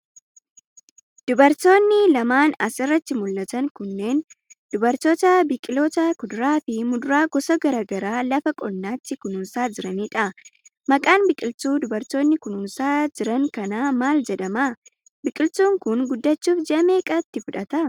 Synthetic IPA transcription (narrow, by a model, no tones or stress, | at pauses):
d̪̥ʊbɐɾt̪o̞ːnːɪlɐmaːnɐsɪrːɐt̪ːɪmʊlːɐt̪ɐŋkʊnːe̞ːnd̪̥ʊbɐɾt̪oːt̪ɐbɪkʼɪloːt̪ɐkʊd̪ʊɾaːfɪmʊd̪ʊɾaːɡɔsɐɡɐɾaːɡɐɾaːlɐfɐkʼɔlːaːt̪ːɪkʊnʊnsaːd͡ʒɪɾɐniːᶑɐ | mɐkʼaːnbɪkʼɪlt̪uːd̪ʊbɐɾt̪o̞ːnːɪkʊnʊnsaːd͡ʒɪɾɐŋkɐnaːmaːld͡ʒɛᶑɐmaː | bɪkʼɪlt̪uːŋkʊnɡʊd̪ːɐt͡ʃːuːfd͡ʒɛʔɐmeːkʼɐt̪ːɪfʊᶑɐt̪ɐ